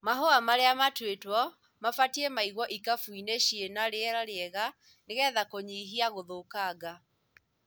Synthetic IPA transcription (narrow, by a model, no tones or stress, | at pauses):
maɦoamaɾeamatwetwɔ | mafatiɛmaiɣwɔʔikafuineɕienaɾeɛɾaɾeɛɣa | neɣɛðakoɲiːɦiaɣoðokaɡa